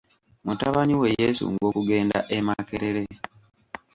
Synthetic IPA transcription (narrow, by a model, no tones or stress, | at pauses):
mutaβaniwe̞jesṵŋɡo̞ːkuɡe̞ːnda̰ʔemakeɾeɾe̞